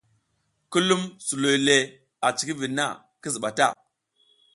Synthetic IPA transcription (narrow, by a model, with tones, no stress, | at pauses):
ku˦lu˦msu˨lo˨jle˨ | a˨t͡ʃi̥˨ki˦vi˨nːa̰˦˨ | ki˦zi˨ɓa˨ta˦˨